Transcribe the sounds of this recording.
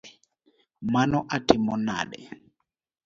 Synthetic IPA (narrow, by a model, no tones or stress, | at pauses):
manɔʔatimɔna̰ɗɛ̰